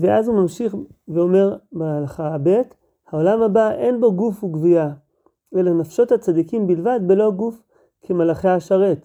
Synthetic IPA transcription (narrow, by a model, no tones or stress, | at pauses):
veazumamʃiχveo̞me̞ʁbaalaχabe̞t | hao̞lamhabaʔe̞nbo̞ɡufhuɡvuja | ʔe̞lanafʃo̞t̪hat͡sad̪ikimbilvad̪belo̞ɡuf | kʰemalaχeaaʃaʁet̪